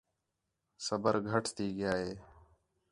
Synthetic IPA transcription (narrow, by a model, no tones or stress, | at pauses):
səbəɾɡʱəʈʰt̪iːɡɪjaːɦeː